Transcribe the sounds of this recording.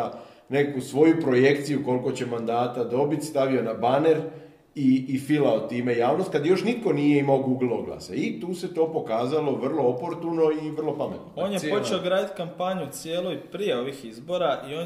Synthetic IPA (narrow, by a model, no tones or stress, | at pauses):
a | ne̞kusʋo̞jupɾo̞je̞kt̪sijuko̞lko̞t͡ɕe̞mand̪aːt̪ad̪o̞bit̪st̪aʋio̞nabane̞ɾ | iːfilaot̪ːiːme̞jaːʋnost̪kad̪jo̞ʃnit̪̚ko̞nije̞imaoɡuɡl̩ˠoɡlˠa̰sait̪uːse̞t̪o̞ːpo̞kaːzalo̞ʋr̩lˠo̞opo̞ɾt̪uno̞iʋər̩lˠo̞pame̞t̪noo̞ːnjepot͡ʃeoɡɾaːd̪it̪kampaɲusijeːlˠojpɾije̞o̞ʋixizbo̞ɾaʔioː